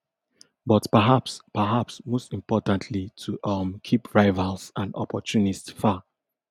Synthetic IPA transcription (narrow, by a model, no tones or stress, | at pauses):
bɔtpəɦapspəɦapsmostĩmpɔtãntʰlitʰuʔʌmkʰipɹaɪvalsãnɔ̰pʰɔtunitfa